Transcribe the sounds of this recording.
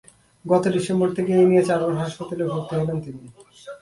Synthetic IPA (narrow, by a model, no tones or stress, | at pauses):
ɡɔt̪odiʃemboɾt̪ʰekeenijet͡ɕaɾoɾɦaʃpat̪alebʱoɾt̪eɦelent̪ini